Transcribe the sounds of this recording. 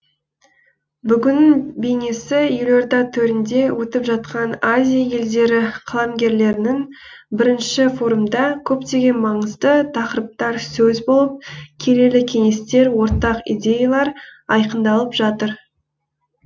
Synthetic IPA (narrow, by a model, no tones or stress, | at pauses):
bʏɡʲɪnɪbejne̞sɪjʏloɾd̪ɑt̪ʰɵɾɪnd̪e̞wɵt̪ɪpʒɑt̪̚qɑnazʲijaje̞ld̪e̞ɾɪqʰɑlˠɑmɡʲe̞ɾle̞ɾɪnɪŋ | bɪɾɪnʃɪfo̞ɾumd̪ɑkʲʰɵpt̪e̞ɡʲe̞nmɑɴəzd̪ət̪ʰɑqəɾəp̚t̪ɑɾsɵzbo̞lˠəp̚kʲʰe̞le̞lɪkʲʰe̞ŋe̞st̪e̞ɾwo̞ɾt̪ɑqḭd̪ʲe̞jalˠɑɾɑjqənd̪ɑlˠəpʒɑt̪əɾ